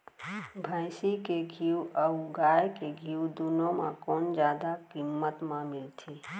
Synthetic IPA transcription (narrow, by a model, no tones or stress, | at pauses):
bʱəjsikeɡʱiuəuɡajkeɡʱiud̪unõmẽkɔːnd͡ʒjaːd̪akimːət̪mãmɪlt̪ʰi